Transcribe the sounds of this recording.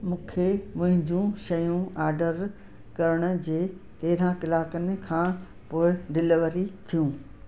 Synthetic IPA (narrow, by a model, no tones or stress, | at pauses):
mũːkʰemɐ̃ɦɪ̃ɲd͡ʑũʃɐjũaːɾɖəɾ | kɐɾəɽ̃ʊ̆d͡ʑeː | t̪ɐɦɪɾãkɪlaːkənɪ̆kʰãː | poːɪɖɪlɪʋəɾit̪ʰijũː